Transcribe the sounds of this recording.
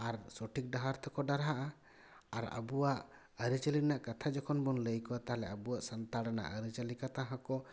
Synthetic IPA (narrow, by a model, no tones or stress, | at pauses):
aɾsoʈʰik̚ɖaɦaɾt̪ʰɔkɔɖaɾɦaʔa | aɾə̰buwaʔ | əɾit͡ʃəlinaʔkat̪ʰad͡ʒɔkʰɔnbɔnləjkɔat̪aɦalɛəbuwaʔsant̪aɽana̰ʔəɾit͡ʃəlikat̪aɦãkɔ